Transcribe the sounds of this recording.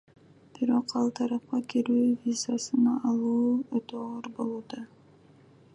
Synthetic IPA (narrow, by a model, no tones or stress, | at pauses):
b̥iɾo̞qɑlˠt̪ʰɑɾɑp̚qɑkiɾyːvʲizasɯnɑʔːlˠuːøt̪øʁoɾbo̞lˠuːd̪ɑ